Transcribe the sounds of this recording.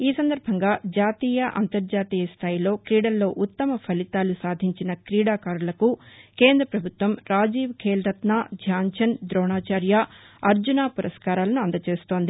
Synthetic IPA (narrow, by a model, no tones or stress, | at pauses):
iːsɐnd̪ɐɾbʱɐŋɡaːd͡ʒaːt̪iːjɐʔɐ̰nt̪ɐɾd͡ʒaːt̪iːjɐst̪ʰaːjilo̞ːkɾiːɽɐlːo̞ːʔut̪ːɐmɐpʰɐlit̪aːlusaːd̪ʱiɲt͡ʃinɐkɾiːɽaːkaːɾulɐkukeːnd̪ɾɐpɾɐbʱut̪ʋɐmɾaːd͡ʒiːʋkʰeːlɾɐt̪naːd͡ʒʱjaːɲt͡ʃʰɐnd̪ɾɔːnaːt͡ʃaːɾja | ɐɾd͡ʒunaːpuɾɐskaːɾaːlɐnuɐnd̪ɐt͡ʃe̞ːst̪o̞ːnd̪i